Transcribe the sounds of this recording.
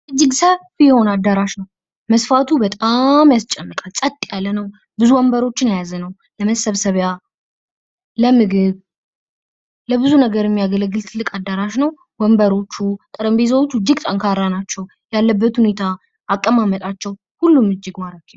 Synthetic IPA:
ʔɨd͡ʒːɪɡsəfijɛho̞nad̪ːaɾaʃnəw | məsfat̪ʰubət̪ʼamjast͡ʃʼɛmːɨkʼalsʼət̪ʼːijalːənəw | bɨzuwəmbəɾo̞t͡ʃːɪnjajazənəw | ləməsəβsəβja | ləmɨɡɨβ | ləbɨzunəɡəɾjɛmːijaɡələɡːɨlt̪ʰɨlːɨkʼad̪ːaɾaʃnəw | wəmbəɾo̞t͡ʃːut̪ʼɨɾəmbez̬əwo̞t͡ʃːud͡ʒːɨɡt̪ʼaŋkʰaɾːanat͡ʃːɛw | jalːəbːət̪hune̞t̪ʰaː | kʼːəmamət̪ʼat͡ʃːɛw | hulːumɨd͡ʒːɪɡmaɾakːi

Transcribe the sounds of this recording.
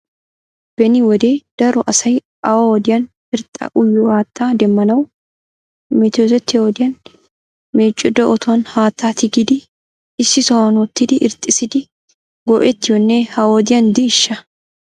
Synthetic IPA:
b̥ɛnɪwɔd̪eːd̪̥ɐɾɔʔɐsɐj | ʔɐwawɔd̪ɪjɐn | ɪɾt̪ʼːɐ̰ʔʊjːɔhaːt̪ʰːaːd̪ɛmːɐnɐw | mɛt̪ɔzɛt̪ːɪwɔd̪ɪjɐn | me̞ːt͡ʃʼːɔd̪ɔʔɔt̪ʊwɐnhaːt̪ʰːaːt̪ɪɡɪd̪ɪ | ɪsːɪsɐwɐnwɔt̪ːɪd̪ɪʔɪɾt̪ʼːɪsɪd̪ɪ | ɡɔʔɛt̪ːɪjɔnːɛhɐwɔd̪ɪjɐnd̪ɪːʃːɐ

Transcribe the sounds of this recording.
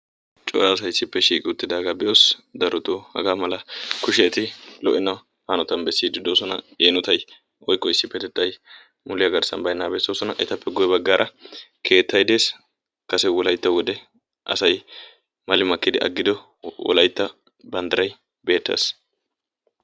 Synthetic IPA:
t͡ʃʼo̰ːɾaːsɐjsːɪpːɛʃiːkʼɪʊt̪ːɪd̪aːɡabɛjoːsd̪ɐɾɔt̪oːhɐ̰ɡaːmɐlɐkʊʃɪɐt̪ɪlɔ̰ʔɪnɐ | hɐnɔt̪ɐnbɛsːiːd̪ɪd̪oːsɔnɐ̰eːnɔt̪ɐj | wɔjkːɔɪsːɪpːɛd̪ɛd̪ːɐj | mʊlɪjɐɡɐɾsɐnbɐjnːaːbɛsːoːsɔnɐʔɛt̪ɐpːɛɡɔjbɐɡːaːɾʔɐkʰe̞ːt̪ːɐjd̪e̞ːs | kɐsɛwɔlɐjt̪ːɐwɔd̪ɛ | ʔɐ̰sɐj | mɐlɪmɐkːɪd̪ɪʔɐ̰ɡːɪd̪ɔ | wɔ̰lɐjt̪ːɐ | bɐnd̪ɐɾɐj | be̞ːt̪ːɐ̰ːs

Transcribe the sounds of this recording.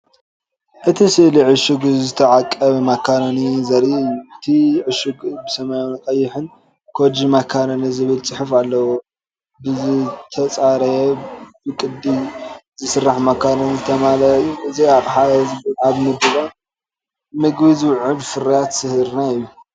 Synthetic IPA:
ʔɨt̪ʰisɨʔliʕɨʃuɡzɨt̪ʰɐʕakʼːɐβɐmakʰːaɾonizɐɾiʔɨjːuʔɨt̪ʰiʕɨʃɨɡbɨsɐmajonkʼɐjːɪħɨn | kʰod͡ʒimakʰːaɾonizɨβɨlt͡sʼɨħɨfalːɐwo | bɨzɨt̪ʰɐt͡sʼaɾɐjɛbɨkʼɨd̪ːizɨsɨrːaħmakʰːaɾonizɨt̪ʰɐmalɐjːuʔɨzijakʼħaɐzɨbɨlʕaβmɨb̪ɨβan | mɨɡbiziwʕɨlfɨɾijat̪sɨhɾnaɨjːu

